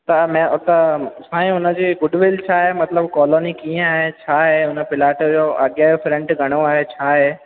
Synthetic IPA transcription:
t̪ɐmɛ̃t̪ɐsãːĩʊnə̆d͡ʑiːɡʊɖʋɪlt͡ɕʰaːɦemɐt̪ləbkɔːloːnikiːə̃aːɦet͡ɕʰaːɦeʊnəpɪlaːʈəd͡ʑoːʔɐɠjajofɾɛ̃ɳʈɡʱɐɽ̃oaːɦet͡ɕʰaːɦeː

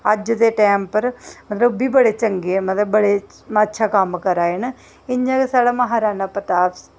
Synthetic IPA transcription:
əd͡ʒd̪eːʈɛːmpəɾmət̪ləbbiːbəɽeːt͡ʃəŋɡeːmət̪ləbːəɽeː | mətːʃʰaːkəmːkəɾaːen | ɪɲãːkesaːɽaːməɦaːɾaːnaːpət̪aːp

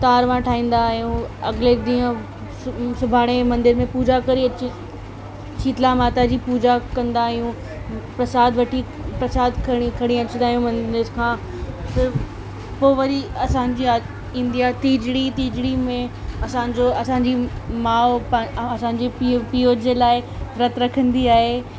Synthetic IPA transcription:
t̪aːɾʋãʈʰaːɦĩːnd̪aɦijũɐɡled̪ĩːə̃ | sʊbʱaːɽ̃emɐ̃nd̪ɪɾmẽpuːd͡ʑakɐɾiɐt͡ɕ | t͡ɕʰiːt̪lamaːt̪ad͡ʑiːpuːd͡ʑakɐ̃nd̪aːɦijũ | pɾɐsaːd̪ʋɐʈʰi | pɾɐsaːd̪ʱkʰɐɽ̃ikʰɐɽ̃ĩɐt͡ɕnd̪aːɦijũmɐ̃nd̪ɪɾkʰãː | t̪ɐ | poːʋɐɾiɐsãːɲd͡ʑi | ĩnd̪iaɦet̪iːd͡ʑɽit̪iːd͡ʑɽimẽɐsãːɲd͡ʑoɐsãːɲd͡ʑimãːɐsãɲ̆d͡ʑeppijod͡ʑelaːɪɾɐt̪ɾɐkʰə̃nd̪iaːɦe

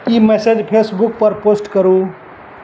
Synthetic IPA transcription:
iːmesed͡ʒpʰesbuk̚pəɾposʈkəɾu

